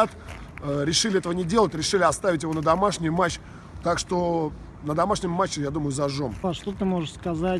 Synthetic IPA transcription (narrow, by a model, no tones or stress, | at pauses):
at̪ | ɾʲɪʂɨlʲɪɛt̪əvənʲɪdʲe̞lˠətʲɾʲɪʂɨlʲɪɐst̪avʲɪtʲjɪvo̞nəd̪ɐmaʂnʲɪjmat͡ɕː | t̪akʂt̪o̞ | nəd̪ɐmaʂnʲɪmːat͡ɕːɪjad̪uməjʊzɐʐo̞maʂt̪ot̪ɨmoʐəʂskɐza